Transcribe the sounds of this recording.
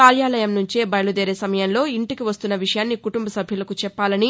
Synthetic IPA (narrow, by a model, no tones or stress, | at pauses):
kaːljaːlɐjɐmnuɲt͡ʃeːbɐjɐɭud̪eːɾeːsɐmɐjɐnlo̞ːiɳʈikiʋɐst̪unːɐʋiʂɐjaːnːikuʈumbɐsɐbʱjulɐkut͡ʃɛpːaːlɐni